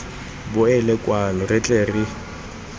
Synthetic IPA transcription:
bʊɛlɛkʼwanɔrɪt͡ɬʼeːrɪ

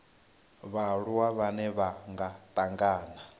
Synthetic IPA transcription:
βaɺuwaβanɛβaŋɡatʼaŋɡaːna

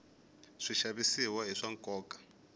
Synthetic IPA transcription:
ʂiʃaβisiwɔɦiʂaŋ̩kʼɔːkʼḁ

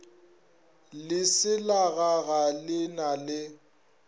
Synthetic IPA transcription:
lɪsɪlaɣaɣalɪnalɪ

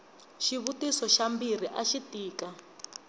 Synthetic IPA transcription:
ʃiβutisɔʃambir̤iʔaʃitiːka

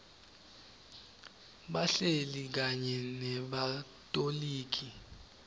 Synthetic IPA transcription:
ɓaɬelik̬aɲɛnɛɓa | tʼoliːk̬i

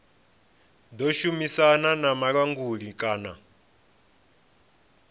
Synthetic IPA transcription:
d̪ɔʃumisananamaɺwaŋɡuɺikʼaːna̰

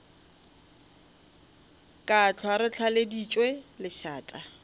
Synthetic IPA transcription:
kʼat͡ɬʰwaɾɪt͡ɬʰaledit͡ʃʼwelɪʃaːtʼa

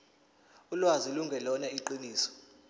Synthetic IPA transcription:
ulwaziluŋɡʱɛlɔnaiǃiniːsɔ̥

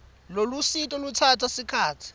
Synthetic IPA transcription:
lolusitʼɔlut͡sʰatʰasikʰaːt͡sʰi̥

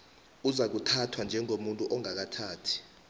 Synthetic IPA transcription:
uzak̬utʰatʰwand͡ʒʱɛŋomuntʼuʔɔŋak̬atʰaːtʰi̥

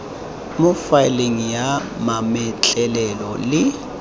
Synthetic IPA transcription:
mʊfaɪleŋ̩ja | mamɛt͡ɬʼɛlɛlɔlɪ

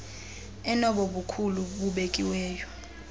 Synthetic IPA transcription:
ɛnɔɓɔɓukʰuluɓuɓekʼiwɛːjɔ

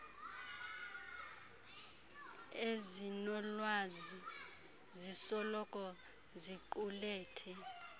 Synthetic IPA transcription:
ezinɔlwazi | zisɔlɔkʼɔ | ziǃulɛːtʰɛ

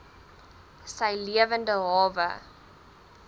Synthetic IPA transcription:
səjliəvəndəɦɑːvə̰

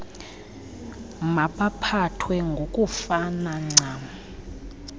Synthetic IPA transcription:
maɓapʰatʰwɛŋɡʱokʼufanaŋ͡ǀaːm

